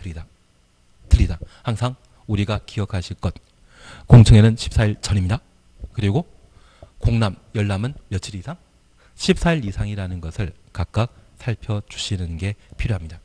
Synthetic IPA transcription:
tɯɾidahaŋsʰaŋ | uɾiɡakiʌkʰaɕʰiɭk͈ʌt̚ | koŋt͡ɕʰɯŋe̞nɯnɕʰi̥p̚s͈aiɭt͡ɕʌnimɲida | kɯɾiɡo | koŋnamjʌɭːamɯnjʌt͡ɕʰiɾisʰaŋ | ɕʰip̚s͈ʰaiɾisʰaŋiɾanɯnɡʌsʰɯɭkak̚k͈ak̚sʰaɭpʰjʌt͡ɕu̥ɕʰinɯnɡe̞pʰiɾjoɦamɲida

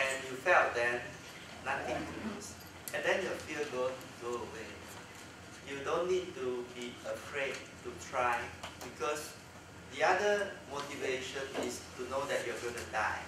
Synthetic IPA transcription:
ɛ̃njufɛlt̚dɛn | nat̪ɪ̃ŋkʰujus | ɛ̃ndɛ̃njuəfiəɡõŋuɡoəwe | judõnːid̚tubiəfɹed̚ | tutʰɹaɪbikʰɔs | diadəmotiveʃə̃nistunodɛt̚juaɡõnuda̰ɪ

